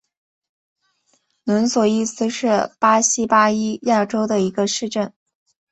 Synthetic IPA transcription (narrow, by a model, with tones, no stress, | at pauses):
nwə˧˥nswɔ˨˩i˥˩sɹ̩˧˥ʂɻ̩˥˩pa˥ɕi˥pa˥i˥ja˥˩ʈ͡ʂo˥ʊd̪ə˨i˧˥ɡə˧ʂɻ̩˥˧ʈ͡ʂə˥˩n